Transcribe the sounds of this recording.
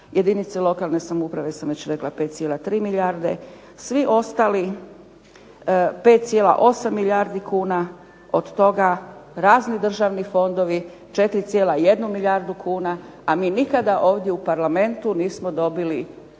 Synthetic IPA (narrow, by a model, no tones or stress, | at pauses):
jʔe̞d̪init̪selˠo̞kalˠne̞samoupɾaʋe̞samʋet͡ɕɾe̞klˠape̞ːt̪sijelat̪ɾiːmiʎaɾd̪e̞̰ | sʋiʔo̞st̪ali | pe̞ːt̪t̪sjela̰ʔo̞samːiʎaɾd̪ikʰuːna | o̞d̪t̪o̞ɡaɾaːznid̪r̩ʒaːʋnifo̞nd̪o̞ʋi | t͡ʃe̞t̪ɾit̪sjeːlaje̞d̪numiʎaɾd̪ukʰuːna | amiːnikad̪aʔo̞ːʋd̪je̞upaɾlame̞nt̪uniːsmod̪o̞bili